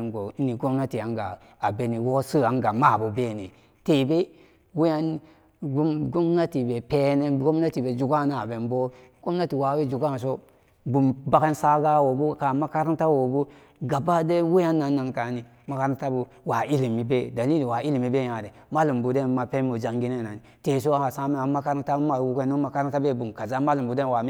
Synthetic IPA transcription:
nɡo˨i˦ni˨ɡo˦mna˦ti˨a˨˦ŋɡa̰˨ | a˨be˦ni˨wo˦sɨ˦a˨˦ŋɡa˨ma˦˨bo˨be˦˨ne˨ | te˨be˦ | we˦ja˦n˦ | ɡo˦mna˦ti˨be˨pe˦ne˦ɡo˦mna˦ti˨be˨d͡ʒu˨ɡa˦˨na˨be˨nbo˦ | ɡ̥o˦m˦na˦ti˨wa˨we˦d͡ʒu˨ɡa˦n˨s̬o˦ | bu˨mba˦ke˦nsa˦ɡa˦wo˨bu˦ka˨ma˦ka˦ɾa˦nta˦wo˨bu˦ | ɡa˨ba˦de˦wu˦ja˦nːa˨nːa˨nka˨ni˨ | ma˨ka˦ɾta˦bu˨ | wa˨i˦li˨mi˨be˦da˨li˦li˨wa˨i˦li˨mi˨be˦ja˨de˨ma˦lu˨mbu˨de˦nma˨pe˦mo˨d͡ʒa˨ŋɡi˦ne˦˨a˨ni˨te˨s̬o˦a˦a˨sa˦me˦a˨ma˦ka˦ɾa˦n˦ta˦ma˦˨wu˦ke˦no˦ma˦ka˦ɾa˦nta˦be˦bu˨mka˨za˦ma˦lu˨bu˨de˦nwa˨mi˦

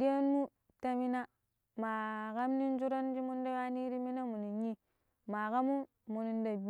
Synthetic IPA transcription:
di˦ja˦n˦mu˦ | ta˦mi˦na˦ | ma˨ka˦mni˦n˦d͡ʒu˦ɾa˦nd͡ʒi˦mu˦nda˦wa˦ni˦ɾi˦mi˦na˦mu˨ni˨ji˦ | ma˨ka˦mu˦ | mu˨ni˨nda˨b

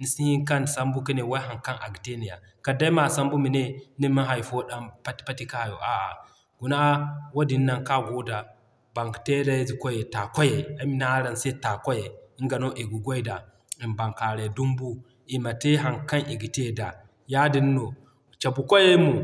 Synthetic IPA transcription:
ni˨si˦hi˦ŋka˦n˨sa˦mbu˦ki˦ne˨wa˦ɦa˨ŋka˦nʔa̰˨ɡi˨te˦ni˨ja̰˨ | ka˨da˦ma˨sa˦mbu˦mi˨ne˦ni˦ma˦ɦa˨jfo˦ɗa˦pa˦tpa˦ti˦ka˦˨jo̰˨ʔa˨ʔa̰˨ | ɡu˨na˦wo˦di˨nː˦a˨ŋka˦ɡo˦da˨ | ba˨ŋkte˦da˦jzi˨ko˦je˨ta˨ko˦je˨a˨˦mi˦na˦ɾa˨nse˦ta˨ko˦je˨i˦ŋɡa˨no˦ʔi˨ɡu˨ɡʷo˦i˦da˨ | i˨mba˨ŋka˨ɾe˨du˦mbu˦ | i˨ma˨te˦ɦa˨ŋka˦nʔi˨ɡi˨te˦˨da˨ | ja˦di˦n˦no˨ | t͡ʃa˨bu˨ko˦je˦mu˨

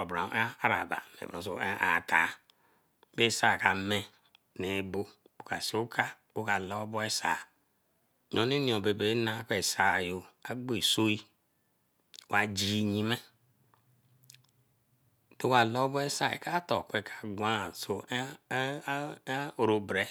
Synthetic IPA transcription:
bɾa̰˨˦a˦ɾa̰˨ba̰˨mḛ˨bo̰˨so̰˨ḛ˦ʔa̰˨tʰa˨˦ | be˦sa˦˨ka˨me˦ | ne˨˦bo˦ | o˨ka˨si˦u˦kʰa˦ | o˦ka˨lo˦bo˦e˦sa̰˨ | ɲ˨o˨ne˦ni˨o˨be˨be˦na˦ke˦˨sa˨jo˨a˨ɡ͡be˦˨so˦i˦˨ | wa˨d͡ʒi˦˨ɲi˦me˦ | to˦wa˨lo˦bɔ˦e˦sa˨ḛ˨ka˦to˨kʷe˦˨kʰa˨ɡʷa˦a˨so˨˦˨ | ɾo˨bɾe˦

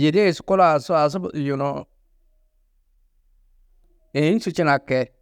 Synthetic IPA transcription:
je˨de˦˨su̥˨˦ku˦la˨su˦a˨s̬u˦bju˨no˨ | e˨i˦n˦su˦t͡ʃi˦na˨ke˨

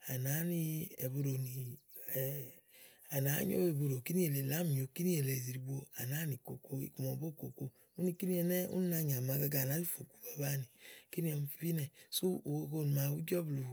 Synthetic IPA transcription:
a˨na˨˦ni˧ḛ˨bo˧ɾo˨ni˨ | a˨na˨˦ɲo̰˦e˨bo˧ɾo˨ki˦ni˦e˨le˨la˦mi˨o˨ki˦ni˦e˨le˨zi˨ɾi˧bo˧a̰˨na˨˦ni˨ko˨ko˧ḭ˨ku˨mɔ˨bo˦˨ko˨ko˧ | u˦ni˧ki˦ni˦ɛ˧nɛ˦ṵ˦ni˦na˧˨ɲ˨a˨ma˧ɡa˧ɡa˨na˨˦i˦fo˨ku̥˨ba˨ba˦˨ni˨ki˦ni˦ɛ˧m˧fi˦nɛ˨su˦o˨ko˧ko˧˨ni˨ma˧˨wu˦d͡ʒɔ˦blu˨

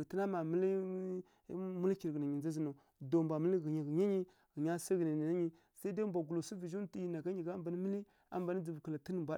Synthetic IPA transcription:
ti˦na˦ma˨mə˦li˦ | mu˦lki˨ɾɡə˨na˨ɲi˨nd͡za˦zi˦no˨ | do˨mbʷa˨mə˦li˦ɣi˨ɲi˨ɣi˨ɲa˦ɲi˦ | ɣi˨ɲa˦sa˦ɣə˨na˨n˨na˦ɲi˦ | sa˦da˦mbʷa˨ɡu˨lo˨su˦vi˨ʒu˦n˦ti˦ji˨na˨ɡa˦ɲi˨ɡa˦mba˨ni˦mə˦li˦ | a̰˦mba˨ni˦d͡zi˨bkə˨la˨tə˦n˨mbʷa˦˨

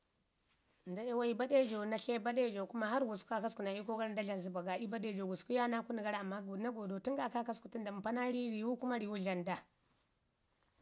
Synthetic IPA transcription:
n˨da˨e˦wa˦i˦ba˦ɗe˦d͡ʒo˨na˨ɬe˦ba˦ɗe˦˨d͡ʒo˨ku˦ma˦ɦa˦ɾɡu˨sku˦a˦ka˦sku˨na˨i˦ko˦ɡa˦ɾa˦nda˦ɮa˨n˨zi˨ba˨ɡa˨i˦ba˦ɗe˦˨d͡ʒo˨ɡu˨sku˦ja˦na˦ku˦ni˨ɡa˦ɾa˨mːa˦ɡo˨˦na˦ɡo˨do˨ti˦ŋɡa˦˨ka˦ka˦sku˨ti˦nda˨m˨pa˦na˦ɾi˦ɾi˨wu˦ku˦ma˦ɾi˨wu˦ɮa˨nda˨

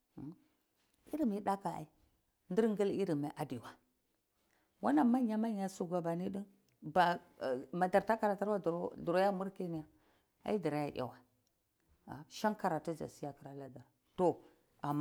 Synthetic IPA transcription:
i˦ɾi˦mi˦ɗa˦ka˨a̰˨i˦ | ndi˦ɾŋɡi˦li˦ɾi˨ma˨˦ʔa˨di˨wa˨ | wa˦na˨ma˦ɲa˦ma˦ɲa˦su˨ɡʷa˨ba˨ni˦ɗi˦n | ba˨ma˨da˨ɾta˦ka˨ɾa˨ta˦ɾwa˦dɾdu˨ɾo˦ja˦mu˦ɾke˦ni˨ja˨ | a̰˦i˦di˨ɾa˨˦ja˨ʔa̰˨wa˨ | a̰˨ʃa˦nka˨ɾa˨tu˦d͡ʒa̰˨si˦ja˦ki˨ɾa˨la˨da˨a˨to˨ | a˨m˦

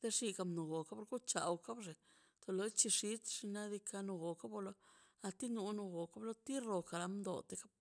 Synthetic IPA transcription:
d̪̥e˦ʂi˧ka˧mnu˨ɡo˨ka˦po˧ɾɡu˦t͡ʃa̰˨wka˦bʐe˨ | t̪o˧lo˧˦t͡ʃi˧ʂi˧˦t̪ʂi˧na˦d̪i˧ka˧nu˧ɡo˨ka˦bo˧lo˦a˧t̪i˦nu˧nu˧ɡo˨ka˦blo˦t̪i˦ɾo˨ka˨ɾa˧md̪o̰˨t̪e˧ka˦b̚

